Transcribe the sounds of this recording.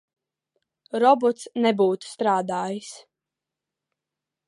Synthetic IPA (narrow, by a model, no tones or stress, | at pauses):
ɾɔbɔt̪snɛbuːt̪st̪ɾaːd̪aːjis